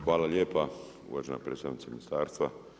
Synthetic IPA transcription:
xʋaːlaljeːpa | ṵʋaʒena̰pɾe̞ːst̪aʋnit̪aminist̪aːɾst̪ʋa

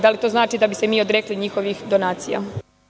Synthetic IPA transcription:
d̪alit̪o̞ːznaːt͡ʃid̪abise̞miːod̪ɾekliɲixo̞ʋixd̪o̞naːt̪sija̰

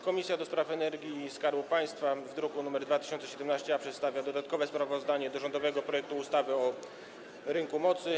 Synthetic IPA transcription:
kɔmʲisʲjad̪ɔspɾafɛnɛɾɡʲjiskaɾwupaj̃st̪favd̪ɾukunumɛɾd̪vat̪ɘ̥ɕɔnt̪sɛɕɛd̪ɛmnaɕt͡ɕɛapʂɛt̪st̪avʲjad̪ɔd̪at̪̚kɔvɛspɾavɔzd̪aɲɛd̪ɔʐɔnd̪ɔvɛɡɔpɾɔjɛk̚t̪uːst̪avɘɔ | ɾɘŋkumɔt̪sɘ

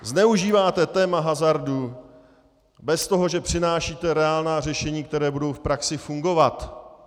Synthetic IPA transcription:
znɛuʒiːvaːt̪ɛt̪ɛːmaɦazaɾdu | bɛst̪o̞ɦo̞ʒɛpr̝̥ɪnaːʃiːt̪ɛɾɛaːlnaːr̝ɛʃɛɲiːkt̪ɛɾɛːbudo̞wfpɾaksɪfuŋɡo̞vat̪

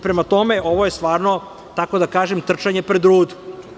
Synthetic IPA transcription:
pɾemat̪o̞me̞ʔo̞ʋoje̞st̪ʋaːɾno̞ | t̪ako̞d̪akaːʒemt̪r̩t͡ʃaɲepɾed̪ɾuːd̪u̥

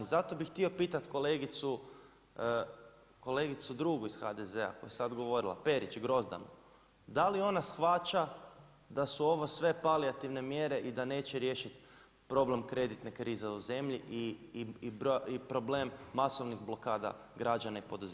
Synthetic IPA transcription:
zat̪obixt̪io̞piːt̪at̪ko̞leɡit̪su | ko̞le̞ɡit̪sud̪ɾuːɡuiz̥xad̪ezea̰ko̞jesad̪ɡo̞ʋo̞ɾilˠa̰pe̞ɾit͡ʃɡɾo̞zd̪a̰no̰ | d̪alio̞nasxʋat͡ʃa | d̪asuo̞ʋo̞sʋe̞paliat̪iʋne̞mje̞ɾe̞ʔid̪ane̞ːt͡ɕeɾje̞ːʃit̪ | pɾo̞ble̞mkɾe̞d̪it̪nekɾiːzeuze̞mʎiʔi | ɾipɾo̞blemːaso̞ʋniɣblˠo̞kaːd̪a̰ | ɡɾad͡ʒanaipo̞d̪uze

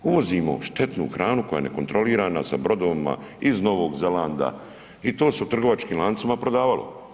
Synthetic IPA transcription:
uʋo̞zimo̞̰ʃt̪e̞t̪nṵːxɾʔaːnuko̞ja̰ene̞̰kont̪ɾo̞liːɾaːnasa̰bɾo̞d̪oʋima̰izno̞ʋo̞ːɡzelaːnd̪a̰ | it̪o̞ːse̞ut̪r̩ɡo̞ʋat͡ʃkiːmlˠaːnt̪samapɾod̪aːʋalo̞̰

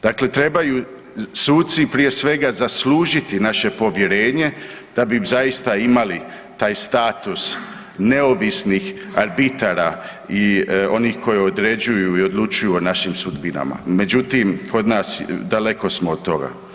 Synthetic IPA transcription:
d̪̥akle̞t̪ɾe̞baju | suːt̪̚tsipɾije̞sʋe̞ɡazasluːʒit̪inaʃe̞po̞ʋje̞ɾe̞ːɲe̞ | d̪̥abizajist̪aimali | t̪aːjst̪aːt̪us | ne̞o̞ʋisnixaɾbit̪aɾaio̞niːxkʰo̞jeo̞d̪ɾe̞d͡ʒujuio̞d̪lˠut͡ʃujuonaʃimsud̪bina̰ma̰me̞d͡ʑut̪imkʰo̞d̪naːsd̪ale̞ko̞smoːd̪̚t̪o̞ɡa̰

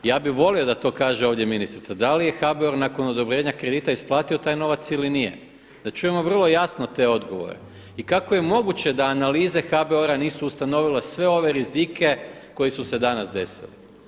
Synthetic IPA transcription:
jaːbiʋo̞lio̞d̪at̪o̞ːkaːʒeo̞ːʋd̪ʲje̞minist̪ɾit̪ad̪alije̞xabeoɾnako̞nod̪o̞bɾe̞ːɲakɾe̞d̪iːt̪aisplˠaːt̪io̞t̪aːjno̞ʋat̪silinijḛ | d̪̥at͡ʃuje̞mo̞ʋr̩lˠo̞jasnot̪e̞o̞d̪ɡo̞̰ʋo̞̰ɾḛ | ikakoje̞mo̞ɡut͡ɕed̪aːnaliːzexabeoɾaniːsuːst̪ano̞ʋilesʋe̞o̞ʋe̞ɾizikʰe̞ | ko̞jisuse̞d̪anasd̪e̞sḭli

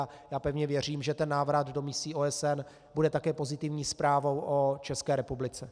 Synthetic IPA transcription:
a | jaːpɛvɲɛvjɛr̝iːmʒɛt̪ɛnːaːvɾad̪do̞mɪsiːʔoːɛsɛn | budɛt̪akɛːpo̞zɪt̪ɪvɲiːspɾaːvo̞wʔot͡ʃɛskɛːɾɛpublɪt͡sɛ

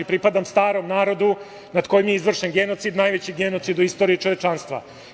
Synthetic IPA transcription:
ipɾipad̪amst̪aːɾo̞mnaːɾo̞d̪u | nad̪ko̞jimjeizʋr̩ʃenɡe̞no̞t̪sid̪naːjʋet͡ɕiɡeno̞t̪sid̪uist̪o̞ɾiit͡ʃoʋe̞t͡ʃanst̪ʋa̰

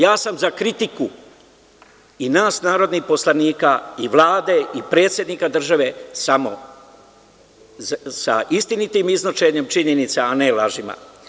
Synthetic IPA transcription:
jaːsamzakɾit̪iku | inaːsnaːɾo̞d̪nixpo̞slˠaniːkaiʋlˠaːd̪e̞ipɾe̞ːt̪sje̞d̪nikad̪r̩ʒaʋe̞samo̞̰ | sa̰ist̪init̪imiznot͡ʃeɲe̞mt͡ʃiɲenit̪saanelaʒima̰

